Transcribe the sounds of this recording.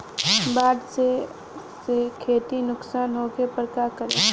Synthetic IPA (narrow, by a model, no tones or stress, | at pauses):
baːɖse | sekʰeːt̪inʊksaːnɦoːkepəɾkaːkəɾẽː